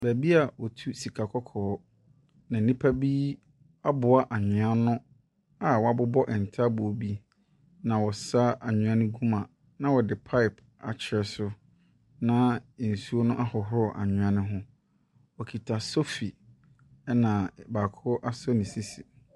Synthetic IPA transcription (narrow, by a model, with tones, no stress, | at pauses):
bæ˨bi˦a˨wɔ˨tʰu˦si˨kʰa˨kʰɔ˦kʰɔː˨˦ | nã˨n̩˦nĩ˦pʰa˦biː˦ | a˦bʊ˨a˦ʔa˨ɲɪ̃˨a˦nʊ̃˦ | a˨wɔ˨˦a˨bʊ˦bɔ˦ʔɪ˨n̩˨tʰa˦bʊ˨o˨bi˦ | nã˨wɔ˨sa˦a˨ɲʊ̃˨ã˦nɪ̃˦ɡũ˦mã˨ | nã˨wɔ˨dɪ˨pʰa˦ɪ˨p | a̰˨t͡ɕʰɪ˨ɾɛ˨sʊ˦ | nã˦˨n̩˨su˦o˦nʊ̃˦ʔa˦hɔ˨ɦʊ˦ɔ˨ʔa̰˨ɲɪ̃˨ã˦nɪ̃˦ɦʊ̃˦ | wɔ˨kʰi˨tʰa˨so˦fi˨ | ɛ˦nã˨baː˨kʰʊ˦ʔa˦sɔ˦nĩ˨si˦si˨